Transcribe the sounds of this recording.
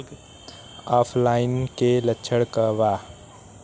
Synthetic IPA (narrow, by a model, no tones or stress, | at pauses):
aːpʰlaːɪnkelətːʃʰəɽkəʋa